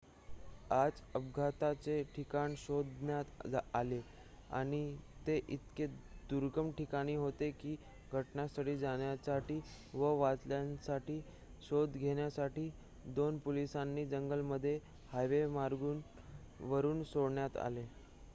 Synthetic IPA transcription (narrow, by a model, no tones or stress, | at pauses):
ad͡zəb̚ɡʱat̪at͡seʈʰikaɳsod̪njat̪d͡zale | a̰ɽ̃it̪eʔit̪ked̪uɾɡəmʈikaɽ̃iːɦot̪ekiː | ɡʱəʈnasəʈiːd͡zaɳjasaʈiː | ʋəʋat͡sljansaʈiː | ɕod̪ɡʱeɳjasaʈiː | d̪onpolisanːiːd͡zəŋɡəlməd̪ʱːje | hajʋemaɾɡuːn | ʋəɾuːnsoɽɳjat̪a̰le